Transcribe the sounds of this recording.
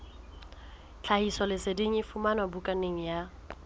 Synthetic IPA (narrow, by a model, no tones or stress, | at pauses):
t͡ɬʰahisɔlɪsediŋ̩ɪfumanwabukʼaneŋ̩ja